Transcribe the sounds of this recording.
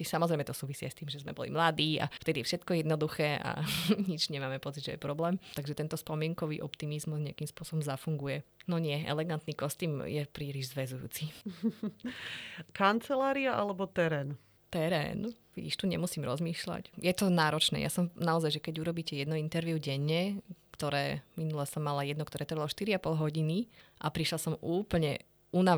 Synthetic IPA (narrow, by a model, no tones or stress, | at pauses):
isamɔzɾɛɪmɛt̪ɔsuːʋisiːa̰jst̪iːmʒɛzmɛ̰bɔ̰lḭmlad̪iːa̰ft̪ɛd̪iɛfʃɛt̪kɔjɛd̪nɔd̪uxɛːʔa̰ɲid͡ʒɲɛmaːmɛpɔt͡siɟʒɛjɛ̰pɾɔblɛːmt̪aɡʒɛt̪ɛnt̪ɔspɔmɪɛŋkɔʋḭːʔɔpt̪imizmuzɲɛakimspʊɔsɔbɔmzafuŋɡujɛnɔɲɪɛɛ̰lɛɡant̪nikɔst̪iːmjɛpɾiːliʒzʋɛzujṵːt͡si | kant͡sɛlaːɾiaʔa̰lɛbɔt̪ɛɾɛːn | t̪ɛɾɛ̰ːnʋiɟḭʃt̪uɲɛmusiːmɾɔzmiːʃla̰cjʔɛt̪ɔnaːɾɔt͡ʃnɛ̰ja̰sɔmnaɔzajʒɛkɛɟuɾɔbiːcɛjɛd̪nɔint̪ɛɾʋiʊɟɛɲːɛkt̪ɔɾɛːminulɛsɔmːalajɛd̪nɔkt̪ɔɾɛːt̪r̩ʋalɔʃt̪iɾiapɔlɦɔɟiniʔapɾiʃlasɔmuːpl̩ɲɛ̰ | una